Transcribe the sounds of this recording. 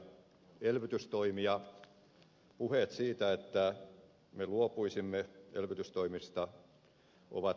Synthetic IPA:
elʋyt̪yst̪oimiɑ | puhet̪siːt̪æet̪ːæ | meluopuisimːeḛlʋyt̪yst̪oimist̪ɑ | ʔo̰ʋɑ

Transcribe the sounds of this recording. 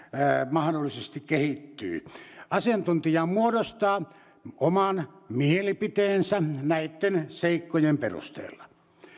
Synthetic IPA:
mɑhdolːˑisest̪ikkehit̪ːy̰ːɑsiɑnt̪unt̪ijɑmuodost̪ɑː | omɑnmielipit̪eːnsænæit̪ːenseikːojemperṵst̪ḛːlːɑ

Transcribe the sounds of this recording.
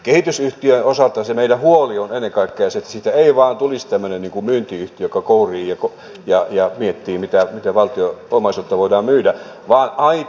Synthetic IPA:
kehit̪ysyht̪iønosɑlt̪ɑsemeilæhuolionenːeŋkɑikːejɑset̪ːæ̥sit̪æeiʋɑːnt̪ulist̪æmːønenniːŋkummyːnt̪iyht̪ijokɑkouriːjɑko | jɑjɑmiet̪ːiːmit̪æmit̪æʋɑlt̪ioomɑisot̪ːɑʋoidɑːmmyːdæ | ʋɑːnɑi

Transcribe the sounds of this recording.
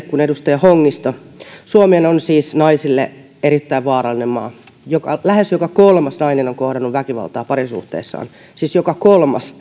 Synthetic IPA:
kunedust̪ɑjɑhoŋːist̪o | suomeːnonsiːsnɑisilːḛ | eɾit̪ːæiʋʋɑːɾɑlːˑinemmɑ̰ː | jokɑ̰læhesjokɑkolmɑsnɑinenoŋkohdɑnːuʋʋækiʋɑ̰lt̪ɑːpɑɾisṵht̪ḛːsːɑ̰ːn | siːsjokɑkolmɑ̰s

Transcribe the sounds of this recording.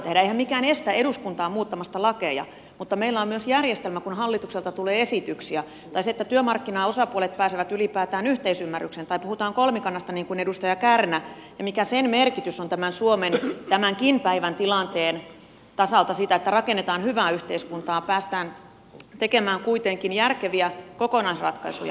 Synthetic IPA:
t̪ehdæeihæmmikæːnest̪æeduskunt̪ɑːmuːt̪ːɑmɑst̪ɑlɑkejɑ̰ | mut̪ːɑmeilːæommyøsjærjest̪elmækunhɑlːit̪ukselt̪ɑt̪uleːesit̪yksiæ | t̪ɑiset̪ːæt̪yømɑrkːinɑːosɑpuolet̪̚pæːseʋæt̪ylipæːt̪æːnyht̪eisymːærːyksent̪ɑipuhut̪ɑːŋkolmikɑnːɑst̪ɑniːŋkunedust̪ɑjɑkærnæ | jɑmikæsenmerkit̪ysont̪æmænsuoment̪æmæŋkinpæiʋænt̪ilɑnt̪eːn | t̪ɑsɑlt̪ɑsiːt̪æet̪ːærɑkenːet̪ɑːnhyʋæːyht̪eiskunt̪ɑːpæːst̪æːn | t̪ekemæːŋkuit̪eŋkinjærkeʋiækokonɑisrɑ̰t̪kɑisṵjɑ̰

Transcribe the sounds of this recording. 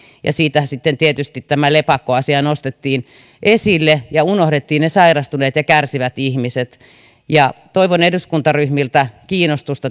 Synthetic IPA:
jɑ̰siːt̪æsit̪ːent̪iet̪yst̪it̪t̪æmælepɑkːoɑsiɑnost̪et̪ːiːn | ʔesilːejɑunohdet̪ːiːnnesɑirɑst̪uneːt̪jɑkærsiʋæt̪ihmiset̪ | jɑt̪oiʋoneduskunt̪ɑryhmilt̪ækiːnost̪ust̪ɑ

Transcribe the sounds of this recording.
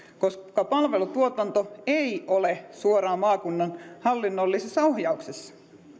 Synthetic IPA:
koskɑpɑlʋe̞lut̪uot̪ɑnt̪oeiolesuoɾɑːmɑːkunːɑnhɑlːinːolːisesːɑohjɑuksesːɑ̥

